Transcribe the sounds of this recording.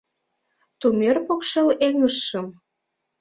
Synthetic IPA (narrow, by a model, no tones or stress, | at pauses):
t̪umerpokʃeleŋəʃːəm